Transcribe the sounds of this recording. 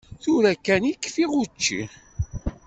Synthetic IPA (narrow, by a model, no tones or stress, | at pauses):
θuɾækːænikːfiʁut͡ʃːḭ